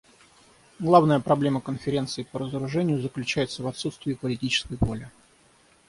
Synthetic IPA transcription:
ɡlˠavnəjəpɾɐblʲe̞məkənfʲɪɾʲe̞nt̪sɨɪpəɾəzəɾʊʐɛnʲɪjʊzəklʲʉt͡ɕæjɪt̪səvɐt̪sut̪st̪vʲɪːpəlʲɪtʲit͡ɕɪ̥skəjvo̞lʲɪ

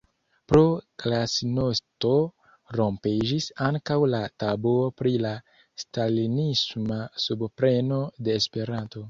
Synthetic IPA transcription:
pɾoklasinosto̞ | ɾo̞mpid͡ʒisaŋkawlatabuopɾila | stalinismasubpɾe̞no̞de̞ːspe̞ɾanto̞

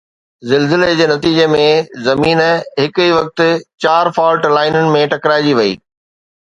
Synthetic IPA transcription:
zɪlzɪled͡ʑeːnɐt̪iːd͡ʑemẽzɐmiːnɦɪkiʋɐk̚t̪ʊt͡ɕaːɾfaːlʈlaːɪnənɪ̆mẽʈɐkɾaːɪd͡ʑiʋɐḭː

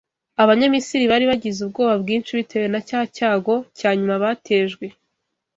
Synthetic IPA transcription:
aβaɲamisiɾiβaɾiβaɟizub̚ɡo̞ːβabɡiːnt͡ʃiβitʰe̞wenacaːhacaːɡo̞chaːɲumaβatʰe̞ːʒɡwe̞

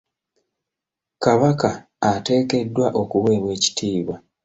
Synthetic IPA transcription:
kaβakaː | te̞ːke̞dːwaʔo̞kuwe̞ːβwe̞ːci̥tʰiːβwa

